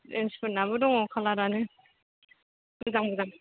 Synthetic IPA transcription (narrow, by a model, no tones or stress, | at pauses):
enspʰɯnaβɯdɔŋɔkʰalaɾanɯ | bɯzaŋbɯzaŋ